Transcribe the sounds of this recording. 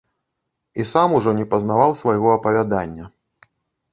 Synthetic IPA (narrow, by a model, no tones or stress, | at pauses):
isamuʐɔnʲɛpɐznavawsvajɣɔɐpɐvʲad̪anʲːɐ